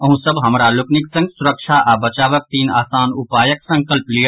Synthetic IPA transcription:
ɐɦũsɐbɦɐmɾalʊknɪksɐ̃ŋɡsʊɾəkʃaːʔabɐt͡ʃaːʋək̚t̪iːna̰ːsaːnʊpaːjəksɐ̃ŋkəlplij

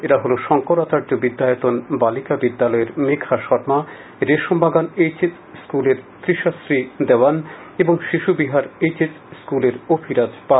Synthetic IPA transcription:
eɾaɦoloʃɔŋkoɾat̪aɾd͡ʑobid̪ːajot̪onbalikabid̪ːalɔeɾmekʰaʃɔɾma | ɾeʃombaɡanejt͡ɕet | skuleɾt̪ɾiʃasɾid̪eoan | eboŋʃiʃubiɦaɾet͡ɕet | skuleɾopʰiɾad͡ʑpa

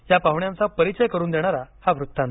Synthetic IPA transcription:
japaʋɳjãnt͡sapəɾit͡ɕəjkəɾuːnd̪eɽ̃aɾahaʋɾut̪ːan

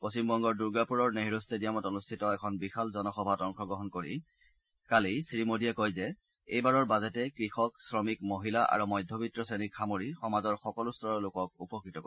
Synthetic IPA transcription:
posimbɔŋɡɔɹduɹɡapuɹɔɹneɦiɹostʰedijamɔtonustʰitɔɛkʰɔnbixalzɔnɔxɔbʱatɔŋxɔɡɹɔɦɔnkoɹḭ | kalisɹimodiakojzɛ | ḛjbaɹɔɹbazɛtɛkɹixɔk̚sɹɔmikmoɦilaʔa̰ɹumɔjdʱːɔbitɹɔsenikxamoɹixɔmazɔɹxɔkɔlustʰɔɹɔɹlokɔk̚upɔkɹitɔk

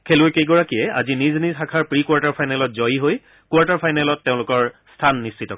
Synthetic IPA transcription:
kʰelʊjkejɡɔɹakiɛa̰ziniznizxakʰaɹpɹikwaɹtaɹpʰajnalɔt̚zɔjiɦoj | kwaɹtaɹpʰajnalɔtːeʊ̃lʊkɔɹstʰanːist͡ʃitɔk

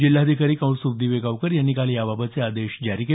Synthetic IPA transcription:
d͡ʑilːaəd̪ʱikaɾiːkə̃wsub̚d̪ʱiːʋeɡaʋkəɾjanːiːkaljababət͡sead̪eɕd͡ʑaɾiːke

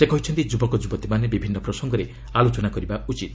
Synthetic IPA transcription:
sekɔɦit͡ʃʰɔnt̪id͡ʒubɔkɔd͡ʒubɔt̪imanebibʱinːɔpɾɔsɔŋɡɔɾe | alot͡ʃɔnakɔɾibaut͡ʃit̪

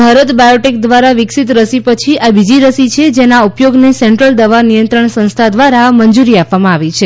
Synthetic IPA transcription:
bʱaɾət̪bajoʈik̚d̪ʋaɾaʋɪksit̪ɾəsipət͡ʃʰiabid͡ʒiɾəsit͡ʃʰed͡ʒenaupjoɡnesẽɳʈɾəld̪əʋanijənt̪ɾəɳsə̃ñst̪ʰad̪ʋaɾamənd͡ʒuɾiappʋamãaʋit͡ʃʰe

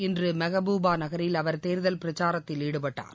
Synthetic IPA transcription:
ɪndrɯmɐɣɐbuːbaːnɐɣɐɾɪlɐʋɐɾt̪eːɾðɐlpɪɾɐt͡ʃːaːɾɐt̪ːɪliɽɯpɐʈːa̰ːn

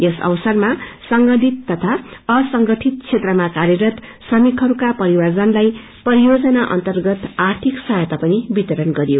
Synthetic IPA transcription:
jesʌ̰wsʌrmasʌŋɡʌd̪ʱit̪ːʌt̪ʰaʌsʌŋɡʌʈʰit̪̚t͡sʰet̪rʌmakaɾjʌɾʌt̪ | sʌmikɦʌɾukapʌɾiward͡zʌnlaj | pʌɾijod͡zʌnaʔʌ̰nt̪ʌrɡʌt̪art̪ʰiksajʌt̪apʌnibit̪ʌɾʌnɡʌɾijo

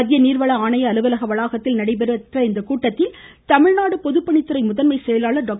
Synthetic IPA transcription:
ɐðɪjɐniːɾʋɐɭɐaːɳɐjɐːlɯʋɐlɐɣɐʋɐɭaːɣɐt̪ːɪlnɐɽɐɪpɛɾɯɐt̪rɐɪnd̪ɐkuːʈːɐt̪ːɪl | t̪ɐmɪɻnaːɽɯpɔðɯpːɐɳɪt̪ːɯɾɐɪmʊðɐnmɐɪsɛjɐlaːɭɐɾɖaːk

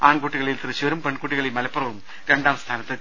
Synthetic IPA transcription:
aːɳkuːʈːiɣɐɭilt̪irɐt͡ɕːoɾumpeɳkuːʈːiɣɐɭilmɐlɐpːurɐʋum | ɾeɳɖaːmst̪ʰaːnɐt̪ːɨ

